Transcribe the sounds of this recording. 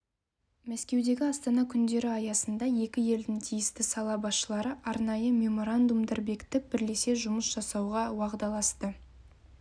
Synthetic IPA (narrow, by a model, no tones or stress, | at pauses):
mæskʲe̞wd̪e̞ɡʲɪɑst̪ɑnɑkʲʰʏnd̪e̞ɾɪɑjɑsənd̪ɑje̞kʲɪje̞ld̪ɪŋt̪ʰijɪst̪ɪsɑlˠɑbɑsʃəlˠɑɾəʔɑɾnɑjəmʲe̞mo̞ɾand̪umd̪ɑɾbe̞kʲt̪ɪk̚bɪɾle̞se̞ʒʊməsʒ̥ɑsɑwʁɑwɑʁd̪ɑlˠɑst̪ə